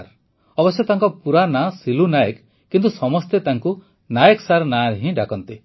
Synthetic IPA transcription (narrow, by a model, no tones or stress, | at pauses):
ɾ | ɔbɔsjɔt̪aŋkɔpuɾanasilunajek | kːint̪usɔmɔst̪et̪aŋku | najeksaɾnaɾɦĩɖakɔnt̪i